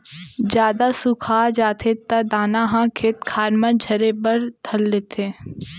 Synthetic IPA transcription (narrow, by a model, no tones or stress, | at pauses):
d͡ʒjaːd̪asʊkʰaːd͡ʒaːt̪ʰet̪ad̪aːnaɦãkʰeːt̪kʰaːɾmãd͡ʒʱɐɾebəɾt̪ʰɐlːeːt̪ʰeː